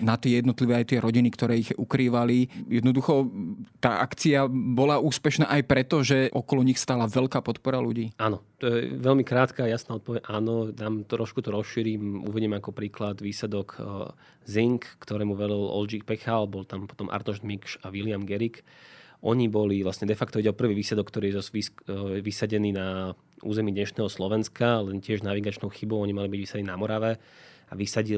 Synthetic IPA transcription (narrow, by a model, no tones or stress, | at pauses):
nat̪ɪɛjɛd̪nɔt̪liʋɛːajt̪ɪɛɾɔɟinikt̪ɔɾɛːiɣṵkɾiːʋalijɛd̪nɔd̪uxɔt̪aːʔakt͡siabɔlauːspɛʃnaːʔajpɾɛt̪ɔʒɛʔɔkɔlɔɲixst̪aːlaʋɛʎkaːpɔt̪pɔɾaluɟiːʔanɔt̪ɔjɛ̰ʋɛlmikɾaːt̪kaːjasnaːɔt̪̚pɔʋɛʔaːnɔd̪aːmt̪ɾɔʃkut̪ɔɾɔsʃiːɾimṵʋiɟimɛakɔpɾiːklad̪ʋiːslɛd̪ɔk | ziŋkːt̪ɔɾɛːmuʋɛd̪ilɔ̰ld͡ʒikpɛxalbɔlt̪ampɔ̥t̪ɔmʔa̰ɾt̪ɔʒd̪mikʃaʋilɪamɡɛɾikʔɔɲibɔliʋlasɲɛd̪ɛfakt̪ɔiɟɛɔpr̩ʋiːʋiːsɛd̪ɔkːt̪ɔɾiːjɛzɔʋiʋisaɟɛniːna | ʔṵːzɛmiːd̪ɲɛʃnɛːɦɔslɔʋɛnskalɛncɪɛʒnaʋiɡat͡ʃnɔʊxibɔʊɔɲimalibiɟʋisaɟniːnamɔɾaʋɛ | aʋisaɟi